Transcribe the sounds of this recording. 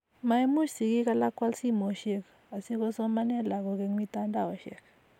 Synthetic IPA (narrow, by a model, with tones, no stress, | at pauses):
ma˨e˦mu˦ʃsi˨ki˦ka˦la˦kwa˦lsi˦˨mo˨ʃe˦k | a˨si˦kɔ˦sɔ˦ma˦nɛ˦˨la˨kɔ˨ke˨ŋwi˦ta˦nda˦˨ɔ˨ʃɛ̰˦˨k